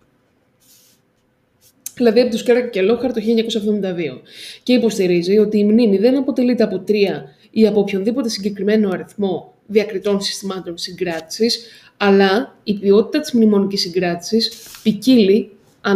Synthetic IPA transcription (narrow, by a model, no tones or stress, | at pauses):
ðilɐðiɐpit̪uskeɾɐkɐcelo̞xɐɾt̪o̞çiʎeɲɐko̞sɐvðomind̪ɐðio̞ce̞ipo̞st̪iɾizio̞t̪iːmnimiðe̞nɐpo̞t̪e̞lit̪e̞ɐpot̪ɾiɐ | iɐpopço̞nðipo̞t̪e̞siɲɟe̞kɾime̞no̞ɐɾiθmo̞ | ðiɐkɾit̪o̞nsi̥st̪imɐt̪o̞nsiŋɡɾɐt̪i̥sis | ɐlɐipio̞t̪it̪ɐt̪i̥zmnimo̞nicisiŋɡɾɐt̪i̥sispicili | ɐ